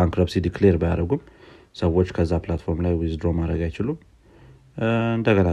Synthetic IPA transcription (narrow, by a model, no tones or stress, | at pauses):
aŋkɾobsid̪ikle̞ɾbəjaɾəɡum | səwːo̞t͡ʃːkʰəzːaplat̪fo̞ɾmlajwizd̪ɾo̞mad̪ɾəɡajɪt͡ʃɪlum | ɨnd̪əɡəna